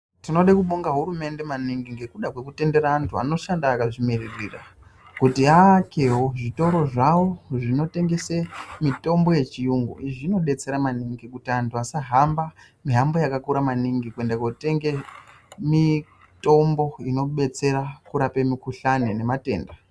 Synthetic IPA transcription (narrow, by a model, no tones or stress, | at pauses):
tino̞ɗakuɓoŋɡaɦuɾume̞nde̞maniŋɡiŋɡikuɗakwe̞kute̞nde̞ɾaːntʰua̰no̞ʃandaːkaʐimererira̰kutiakeɦoʐito̞ɾo̞ʐawo̞ʐino̞te̞ŋɡe̞semito̞mbo̞je̞t͡ʃijuŋɡṵʔiʐiino̞ɗe̞t͡se̞ɾamaniŋɡikutiantʰuasaɦamba | miɦambojakakuɾamaniŋɡikue̞ndakwote̞ŋɡe | mi | to̞mbo̞ino̞ɓe̞t͡se̞ɾakuɾape̞mikuɬanene̞mate̞̰ːnda